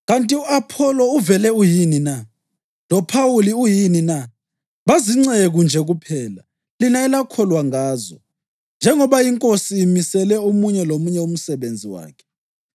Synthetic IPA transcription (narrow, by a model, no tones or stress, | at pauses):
ɣantʼiuapʰɔlɔuvɛlɛujinina | lɔpʰawuliujinina | βaziŋ͡ǀeɣund͡ʒʱɛɣupʰɛːla | linaɛlakʰɔlwaŋaːzɔ̰ | nd͡ʒʱɛŋɔβajiŋkʼosiːmisɛlɛomuɲɛlomuɲɛum̩sɛβend͡zʱiwa̰ːkʰɛ̥